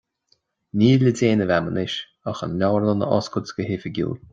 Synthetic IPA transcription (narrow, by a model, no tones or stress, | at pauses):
nʲiːlədeːnəvamənɪʃ | axə̰nlʲɔwəɹlənə̰ʔɔ̰skʊt͡sɡəɦɪfəɡʲṵːl